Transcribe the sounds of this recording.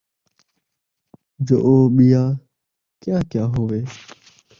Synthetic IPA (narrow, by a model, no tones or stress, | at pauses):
d͡ʒo̰ːʔoːɓɪjaː | kjaːkjaːɦoːʋeː